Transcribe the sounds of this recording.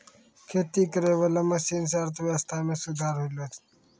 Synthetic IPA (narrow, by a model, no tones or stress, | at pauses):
kʰeːt̪iːkəɾeːwɐlɐmɐsiːns̬aːɾt̪waːst̪ʰaːmesud̪ʱaːɾɦulot̪